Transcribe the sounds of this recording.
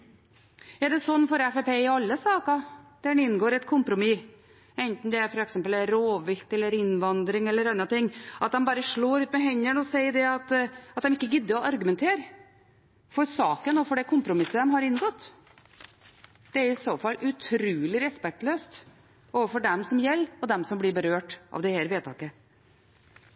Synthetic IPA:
ɛɖɛsɔnːfɔɾɛfɛpeːɪɑlːəsɑːkɑd̪̥ænɪnːɡoːɾɛt̪kʰʊmpɾʊmɪ | ɛnt̪nd̪ɛæɾfɔɾɛksɛmpəlɛɾoːʋɪlt̪ɛlːəɾɪnʋɑnd̪ɾɪŋɛlːəɾɑnːɑt̪ɪŋːʔɑt̪̚d̪ɛmbɑːɾəʂɭoːɾʉːt̪mɛɦɛɲːəɳɔsɛɪd̪ɛɑt̪ɑt̪̚d̪ɛmɪkːəɡʏd̪ːɪɔʔɑɾɡʉmɛnt̪ʰeːɾ | fɔɾsɑːkənɔːfɔɖɛkʰʊmpɾʊmɪsːəd̪ɛmɦɑɾɪnːɡɔt̪ː | d̪̥ɛæɾɪsoːfɑlːʉt̪ʰɾʉːlɪɾɛspɛk̚t̪løːst̪ | oːʋəfɔɖɛmsɔmjɛlːɔd̪ɛmsɔmblɪɾbəɾøːʈʔɑ̰ʋd̪ɛhæːɾʋeːt̪ʰɑ̰ːkə

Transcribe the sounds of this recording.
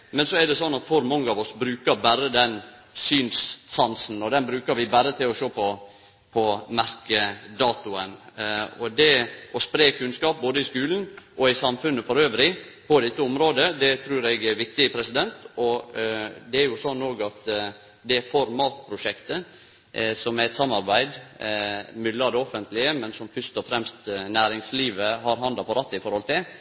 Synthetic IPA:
mɛnsɔɛɾɖ̪ɛsɔnːɑt̪fɔɾmɔŋːəɑʋɔsbɾʉːkəɾbæɾəd̪ɛn | syːnssɑnsn̩ɔd̪ɛnbɾʉːkəɾʋɪbæɾət̪ʰɪlɔʃoːpʰɔ | pʰɔmæɾkəd̪ɑːt̪ʊənɔd̪ɛʔɔspɾeːkʰʉnskɑːp̚boːd̪əɪskʉːln̩ʔɔɪsɑmfʉnːəfɔɾøːʋɾɪ | pʰɔd̪ɛt̪ːəʊmɾoːd̪əd̪ɛt̪ʰɾʉːɾɛɡæɾʋɪk̚t̪ɪpʰɾɛsɪd̪ɛnt̪ɔ | d̪ɛæɾjʊsɔnːoːɡɑt̪ | d̪ɛfɔɾmɑːt̪̚pʰɾʊʂɛkt̪ə | sɔmæɛt̪sɑmːɑɾbæɪd̪ | mʏlːɑd̪ɛɔfənt̪lɪəmɛnsɔmfœst̪ɔfɾɛmst̪næːɾɪŋsliːʋəɦɑɾɦɑnd̪ɑpɔɾɑt̪ːɪfɔɾhɔlt̪ʰɪl

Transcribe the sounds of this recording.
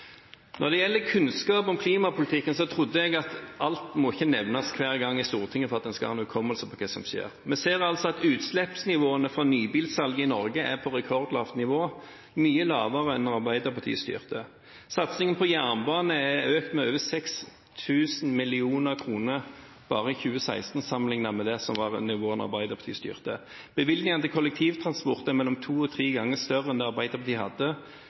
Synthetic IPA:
nʔɔʁd̪ɛjɛlːəkʰʉnskɑːpɔmkʰliːmɑpʰʊlɪt̪ʰɪkːənsɔt̪ʰʁʊd̪ːəɛɡɑt̪ɑlt̪mɔɪçːənɛʋnɑskʰʋæːʁɡɑŋːɪst̪uːʁt̪ʰɪŋːəfɔʁɑt̪̚d̪ɛnskɑhɑ̰ːnʉkʰɔməlsəpʰɔkʰɛsɔmʃḛːʁmɛseːʁɑlsɔɑt̪ʉːt̪slɛpsnɪʋoːənəfɾɔnyːbiːlsɑlɡəɪnɔɾɡəʔæʁpʰɔɾɛkʰɔʁd̪lɑːft̪nɪʋoː | myːəlɑːʋəʁəɛnːɑʁbæɪd̪əʁpʰɑt̪ʰḭːst̪y̰ːʁt̪ə | sɑt̪sɪŋənpʰɔjæʁnbɑːnəæøːkt̪mɛøːʋəsɛks | t̪ʰʉːsn̩mɪlɪuːnəʁkʰʁuːnəʁ | b̥ɑːʁəɪçʉːəsæ̰ɪst̪n̩sɑmənlɪŋnɑmɛd̪ɛsɔmʋɑːʁɛ̰nnɪʋoːɛnɑ̰ʁbæɪd̪əpɑt̪ʰḭːst̪y̰ːʁt̪ə | b̥əʋɪld̪nɪŋənt̪ɪlkʰɔlːɛk̚t̪ʰiːʋt̪ʰʁɑnspɔʁt̪ɛmɛlːɔmt̪ʰuːɔt̪ʰʁiːɡɑŋːəst̪œʁəɛnd̪ɛɑʁbæɪd̪əʁpʰɑt̪ʰiːhɑd̪ːə

